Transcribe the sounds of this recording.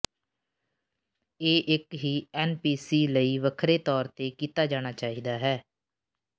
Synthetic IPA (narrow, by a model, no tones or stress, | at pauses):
eːʔɪkɦiːɛːnpiːsiːləiːʋəkʰɾeːt̪ɔːɾt̪eːkiːt̪aːd͡ʒaːɽ̃aːt͡ʃaːiːd̪aːɦɛː